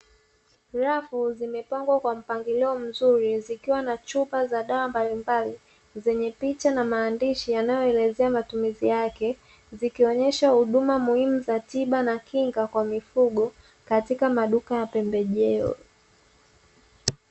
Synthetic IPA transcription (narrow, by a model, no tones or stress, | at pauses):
ɾafuzimɛpaŋɡwakwam̩paŋɡiliɔm̩zuɾizikiwanat͡ʃupazaɗawambalimbali | zɛɲɛpit͡ʃanamaːndiʃijanajɔɛlɛzɛamatumizijakɛ | zikiɔɲɛʃahuɗumamuhimuzatiɓanakiŋɡakwamifuɠɔ | katikamaɗukajapɛmbɛʄɛɔ̰